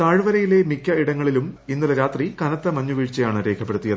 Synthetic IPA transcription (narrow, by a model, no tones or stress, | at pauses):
t̪aːɻɨʋɐɾɐjile̞mikːɐiɽɐŋːɐɭiluminːulɐɾaːt̪rikɐnɐt̪ːɐmɐɲːuʋiːɻt͡ɕːɐjaːɳɨɾe̞ːkʰɐpːe̞ɽut̪ːijɐð